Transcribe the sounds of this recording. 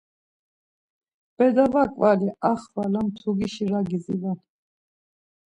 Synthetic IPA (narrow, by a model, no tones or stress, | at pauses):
b̥ɛd̪avakʼvaliʔaχvalamt̪ʰuɡiʃiɾaɡizilan